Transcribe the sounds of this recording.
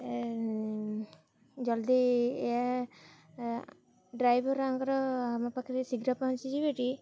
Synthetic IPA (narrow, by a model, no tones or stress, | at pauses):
d͡ʒɔld̪iɛa | ɖɾajbɔɾaŋɡɔɾɔamapakʰiɾesiɡɾapant͡ʃid͡ʒibeʈi